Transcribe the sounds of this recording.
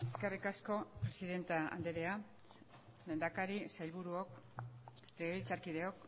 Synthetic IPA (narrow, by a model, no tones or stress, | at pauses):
eskarikasko̞pɾe̞siðe̞nt̪aa̰nd̪eɾea | le̞nd̪akaɾisajβuɾuo̞k | reɣeβilt͡saɾkið̞e̞o̞k̚